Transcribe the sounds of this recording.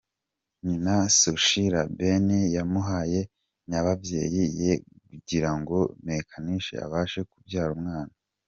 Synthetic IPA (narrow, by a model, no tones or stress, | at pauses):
ɲinasoʃiɾabenejamuɦaːje̞ | ɲaβabje̞̰ːjijekuɟiɾaŋɡo̞mekʰaniʃḛa̰βaːʃe̞kubjaːɾumŋaːna